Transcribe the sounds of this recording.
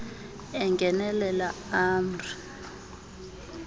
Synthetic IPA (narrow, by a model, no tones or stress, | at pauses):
ɛŋɡʱɛnɛlɛlaaːmrʰʱu